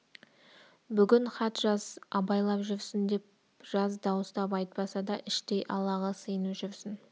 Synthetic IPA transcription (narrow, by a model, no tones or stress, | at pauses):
bʏɡʲɪnχɑt̪ʒɑzɑbɑjlˠɑpʒʏɾsɪnd̪e̞p̚ | ʒ̥ɑzd̪ɑwəst̪ɑp̬ɑjt̪̚pɑsɑd̪ɑʔɪʃt̪e̞jʔɑlˠɑʁɑsəjənuʒʏɾsɪn